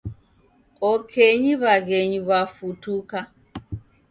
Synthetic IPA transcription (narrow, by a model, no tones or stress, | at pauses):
ɔkʰeɲiβaɣeɲuβafutuka